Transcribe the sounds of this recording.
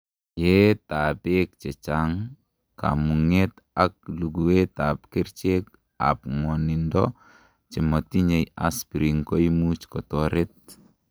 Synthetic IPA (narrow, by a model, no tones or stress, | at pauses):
jetapek̚t͡ʃɛt͡ʃaŋ | ka̰muŋet | ak̚luɡuwetap̚keɾt͡ʃek | a̰pŋɔnindɔ | t͡ʃɛmɔtiɲeja̰spiɾiŋkojmut͡ʃkɔtɔɾet̚